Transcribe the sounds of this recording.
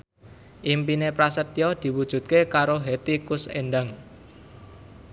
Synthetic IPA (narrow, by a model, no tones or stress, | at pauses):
ʔimpinepɾasət̪jɔd̪̥i̤wud̥ʒ̥ṳt̪̚kekaɾoɦet̪ikʊsḛnɖaŋ